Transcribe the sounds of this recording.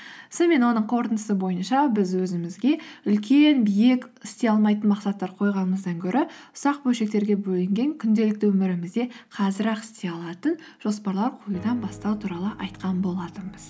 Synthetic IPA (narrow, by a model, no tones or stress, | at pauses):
sɪnme̞nwo̞nəɴqʰo̞ɾt̪ənd̪əsəbo̞jənʃɑbɪzwɵzɪmɪzɡʲe̞ʏlkʲe̞nbijekʲɪst̪e̞ɑlˠmɑjt̪ənmɑqsɑt̪ːɑɾqʰo̞jʁɑnəməzd̪ɑŋkʲʰɵɾʔɪʊ̥sɑq̚bɵlʃe̞k̚t̪e̞ɾɡʲe̞bɵlɪŋɡʲe̞ŋkʲʰʏnd̪e̞lɪkt̪ɪwɵmɪɾɪmɪzd̪e̞qʰɑzɪɾɑqɪ̥st̪e̞ɑlˠɑt̪ən | ʒ̥o̞spɑɾlˠɑɾqʰujud̪ɑnbɑst̪ɑwt̪ʰuɾɑlˠəʔɑjt̪qɑnbo̞lˠɑt̪əməz